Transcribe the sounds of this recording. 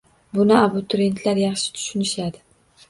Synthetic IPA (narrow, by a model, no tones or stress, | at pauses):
bʊnɪabʊt̪ʰʊɾe̞nt̪ʰlaɾjɑχʃɪ̥t̪ʰʊ̥ʃʊnɪʃad̪ɪ